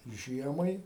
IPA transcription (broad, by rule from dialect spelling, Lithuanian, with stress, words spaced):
ˈʒʲiɛmɐɪ